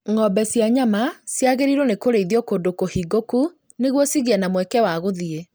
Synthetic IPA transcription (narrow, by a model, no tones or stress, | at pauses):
ŋɔbɛsjaɲamasjaɣeɾiɾonekoɾeiðjɔkondokohiɡoku | neɣwɔsiɣiɛnamwɛkɛwaɣoðie